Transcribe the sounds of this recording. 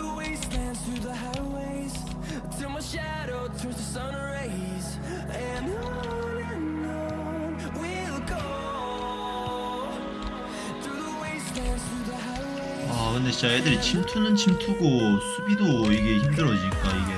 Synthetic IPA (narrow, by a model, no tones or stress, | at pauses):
weɪstæ̃nθɹuðəɦaɪweɪz̥ | tʰumaʃæ | ɾoʊtʰʌsəsõʊ̃nəɹeɪ | z | ɨ̃n | nno | wi | lˠɡo | θɹuðəweɪstæ̃nz̥θɹuðəhaɪwe | akɯnde̞ɕajedɯɾit͡ɕʰimtʰunɯnt͡ɕʰimtʰuɡosʰubidoiɡe̞çimdɯɾʌd͡ʑiɲik͈aiɡe̞